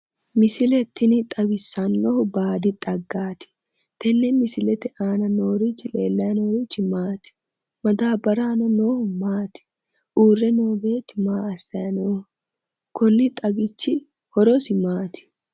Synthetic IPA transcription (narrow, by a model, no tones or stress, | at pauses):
mɪsɪlɛt̪ːɪnɪt̪ʼɐbɪsːɐnːɔhʊbaːd̪ɪt̪ʼɐɡːaːt̪ɪ̥ | t̪ɛnːɛmɪsɪlɛt̪ɛʔaːnɐno̞ːɾit͡ʃːɪleːlːɐjɐnoːɾit͡ʃːɪmaːt̪ɪ̥ | mɐd̪aːbɐɾaːnɔnoːhʊmaːt̪ɪ̥ | ʔuːrːɛnoːbe̞ːt̪ːɪmaːɐsːɐjɐnoːhʊ | kɔnːɪt̪ʼɐɡɪt͡ʃːɪ | hɔɾɔsɪmaːt̪ɪ̥